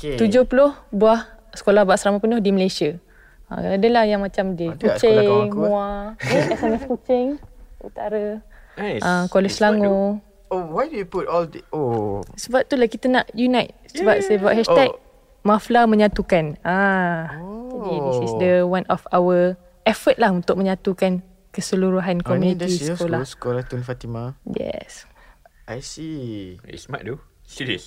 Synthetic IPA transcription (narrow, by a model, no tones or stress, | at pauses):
kt̪ud͡ʒʊhpulʊhbuahsə̥kolahbaʔsəɾamapənʊhdiməlesia | ã̰adəlahjaŋmãt͡ʃamdikut͡ʃemũaɛsɛmɛskut͡ʃɪŋṵt̪aɾə | ʔakwaləslaŋo | owajdujuputɔlosəbap̚t̪ulahkit̪ənaʔjunajt̪̚səbap̚səbap̚hɛʃt̪ɛk̚ | maflamə̃ɲãt̪ukanã | d͡ʒadidisisdəwãnɔfawə | ɛfət̪̚lahunt̪ʊk̚mə̃ɲãt̪ukan | kəsəluɾuɦankɔmjunĩd̪iskolaskɔlat̪unfat̪imajɛ̰s | ʔajsḭ | sma̰ʔtu | siis